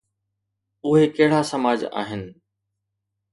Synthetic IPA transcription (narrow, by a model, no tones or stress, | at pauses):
ʊɦekɐɦɪɽ̤asɐmaːd͡ʑa̰ːɦɪnɪ̆